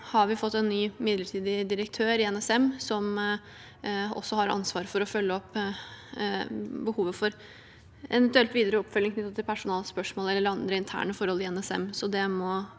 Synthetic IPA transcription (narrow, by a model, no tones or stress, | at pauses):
hɑɾʋɪfɔt̪ːɛnːyːmɪd̪ləʈʰiːd̪ɪd̪ɪɾək̚t̪ʰøːɾɪɛnɛsɛmsɔm | ɔ̰sːɔhɑɾɑ̰nsʋɑːɾfɔɾɔfœlːəɔpː | bəhuːʋəfɔɾ | ʔɛʋənt̪ʉɛlt̪ʋiːd̪əɾəɔpːfœlːɪŋkʰnʏt̪ːət̪ɪlpʰæʂʊnɑːlspœʂmoːlɛlːəɾɑnd̪ɾəɪnt̪ʰæ̰ːɳəfɔɾhɔlɪɛnɛsɛ̰msɔd̪ɛmɔ